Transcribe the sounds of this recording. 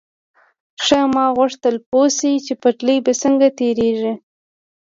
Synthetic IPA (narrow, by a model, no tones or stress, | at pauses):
ʂəmɑɣwʊʂt̪əlposit͡ʃepaʈləjbasəŋɡat̪eɾeʒi